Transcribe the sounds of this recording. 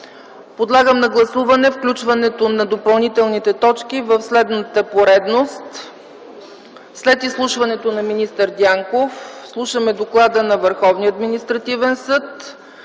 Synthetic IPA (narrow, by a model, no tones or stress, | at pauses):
pod̪lˠaɡəmnɐɡlˠɐsuvɐnɛfklʲut͡ʃvɐnɛt̪onɐd̪opɐlˠnit̪ɛlˠnit̪ɛt̪ɔt͡ʃk̟ivəfslɛd̪nət̪əpoɾɛd̪nost̪ | slɛt̪islˠuʃvɐnɛt̪onɐminist̪əɾd̪ʲjaŋkofslˠuʃəmɛd̪oklˠad̪ənɐvəɾxɔvniəɐd̪minist̪ɾɐt̪ivɛnsɤt̪